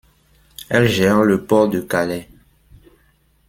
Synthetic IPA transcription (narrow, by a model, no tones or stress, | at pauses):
ɛlʒɛʁləpɔʁd̪əkalɛ